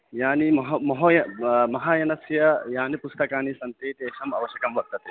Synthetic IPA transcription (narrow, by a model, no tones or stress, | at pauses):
jaːnimɐɦɐmɐɦoːjɐmɐɦaːjɐnɐsjɐjaːnipust̪ɐkaːnisɐnt̪eːt̪eːʃɐmɐ̰ʋɐʃjɐkɐmʋɐk̚t̪ːɐt̪e